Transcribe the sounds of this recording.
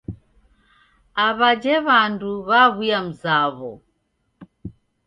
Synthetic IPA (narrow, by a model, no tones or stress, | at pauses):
aβad͡ʒɛβanduβaβujam̩zaβɔ̰